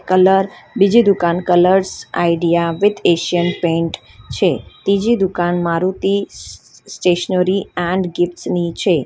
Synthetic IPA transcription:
kələɾbid͡ʒid̪ukankələɾsa̰jɖijaʋɪd̪eʃiənpẽɳʈ | t͡ʃʰet̪id͡ʒid̪ukanmaɾut̪i | sʈeʃənəɾiɛ̃ɳɖɡɪfʈsnit͡ʃʰe

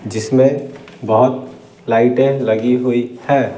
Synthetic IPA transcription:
d͡ʒɪsmẽ | bəɦʊt̪ | laɪʈẽləɡiɦoihɛː

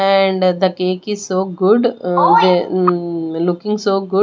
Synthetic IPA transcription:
ɛ̃ɳɖd̪əkeːkɪz̥soːɡʊɖd̪e | lʊkɪ̃ŋsoːɡʊ

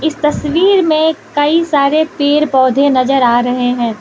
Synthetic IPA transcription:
ɪst̪ɐsʋiːɾmẽkɐisaːɾepeːɾpɔːd̪ʱẽnɐzəɾaːɾɐɦeɦɛ̃ː

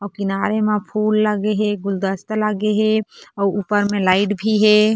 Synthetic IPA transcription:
ɔːɾkɪnaːɾemẽpʰuːlːəɡeɦeɡʊld̪əst̪ləɡeɦeɔːupəɾmẽlaɪʈbʱiɦe

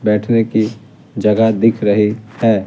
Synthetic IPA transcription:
bɛːʈʰneki | d͡ʒɐɡad̪ɪkʰɾɐɦihɛː

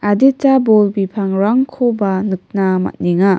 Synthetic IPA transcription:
adetabolbipʰaŋɾaŋkʰobanɯk̚nama̰t̚niŋa

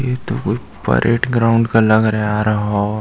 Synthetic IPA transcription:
jet̪okʊt͡ʃ | pɐ̰ɾʔḛːʈɡɾaːʊ̃ɳɖkalɐɡɾɐeaːɾɐɦa

